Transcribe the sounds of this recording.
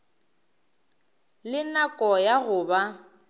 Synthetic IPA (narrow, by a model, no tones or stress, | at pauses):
lɪnakʼɔjaɣʊba